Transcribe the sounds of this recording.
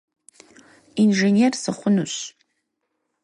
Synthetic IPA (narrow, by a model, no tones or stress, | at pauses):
inʒenersɨχʷʊnuɕ